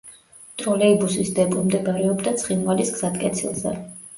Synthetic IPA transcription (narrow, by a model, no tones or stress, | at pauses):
t̪ʼɾɔlɛibusisd̪ɛpʼumd̪ɛbaɾɛɔbd̪at̪sʰχinvalisɡz̥at̪kʼɛt̪sʰḭlˠzɛ̰